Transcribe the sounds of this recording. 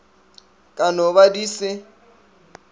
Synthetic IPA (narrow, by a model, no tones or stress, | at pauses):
kʼanɔβadiːsɪ